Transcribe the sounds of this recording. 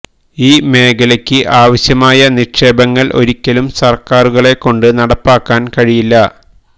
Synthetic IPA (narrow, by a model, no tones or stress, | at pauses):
iːme̞ːkɐlɐkʲːɨʔaːʋɐɕjɐmaːjɐniʂe̞ːbɐŋːɐɭʔo̞̰ɾikʲːɐlumsɐrkaːruɣɐɭe̞kːo̞ɳɖɨnɐɽɐpːaːkːaːnkɐɻijilːɐ